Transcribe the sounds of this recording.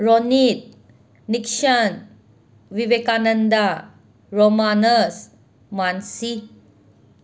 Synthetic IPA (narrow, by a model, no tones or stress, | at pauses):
ɾonit̪̚ | nikʂən | ʋiʋekanənd̪a | ɾomanəs | mansi